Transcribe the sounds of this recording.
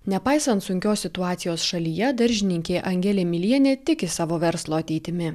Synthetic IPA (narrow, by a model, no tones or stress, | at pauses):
nʲɛpɑɪsɐnt̪sʊŋʲkʲoːssʲɪt̪ʊɑːt̪sʲɪjoːsʃɐlʲiːjɛd̪ɐɾʲʒʲɪnʲɪŋʲkʲeːʔɐŋʲɡʲɛlʲeːmʲɪlʲiɛnʲeːt̪ʲɪkʲɪsɑːʋoːʋʲɛɾslˠoːɐt̪ʲɛɪt̪ʲɪmʲɪ